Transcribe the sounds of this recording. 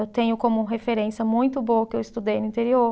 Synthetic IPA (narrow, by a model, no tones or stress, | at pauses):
ewt̪ẽɲʊkõmʊ̃ɦefeɾẽsjɐmũj̃t̪ʊboɐkɪewɪst̪ud̪ejnʊĩnt̪eɾio